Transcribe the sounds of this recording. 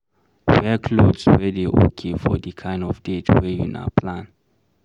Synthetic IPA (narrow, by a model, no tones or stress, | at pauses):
wɛkʰlodswɛdeʔo̰kʰefɔ̰dikʰãj̃ndɔfdetwɛjṵna̰pʰlãn